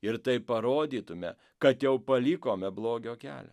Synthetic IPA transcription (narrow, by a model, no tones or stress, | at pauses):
ɪɾt̪ɐɪpɐɾoːd̪ʲiːt̪ʊmʲɛ̰ | kɐt̪jɛʊpɐlʲiːkoːmʲɛblˠoːɡʲoːkʲæ̰ːlʲɛ̰